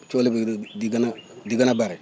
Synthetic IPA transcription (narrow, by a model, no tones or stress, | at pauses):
t͡ʃolibadiɡanadiɡanabaɾi